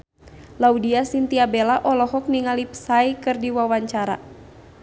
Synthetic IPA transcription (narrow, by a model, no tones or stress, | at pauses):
laudiasint̪iabelaʔɔlɔɦɔk̚niŋalipsaikɨrdiwawaɲt͡ʃaɾa̰